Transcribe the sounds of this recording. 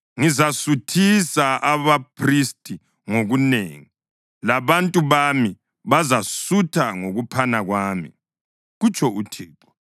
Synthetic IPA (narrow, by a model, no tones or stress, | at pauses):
ŋizasutʰisaʔaβapʰristʼi | ŋoɣunḛːŋi | laβantʼuβami | βazasutʰaŋoɣupʰanaɣwaːmḭ | ɣut͡ʃʰʼɔutʰiːǃɔ